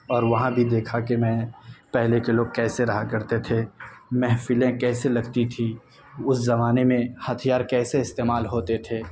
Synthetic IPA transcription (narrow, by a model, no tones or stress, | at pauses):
ɔːɾʋɐɦãbʱid̪eːkʰakemɛ̃ːpɛɦlekeloːɡ̚kɛːseɾɐɦakɐɾt̪et̪ʰemɛɦfɪlẽkɛːselɐɡt̪it̪ʰi | ʊszɐmaːnemẽhɐt̪ʰijaːɾkɛːseɪst̪eːmaːlɦoːt̪et̪ʰeː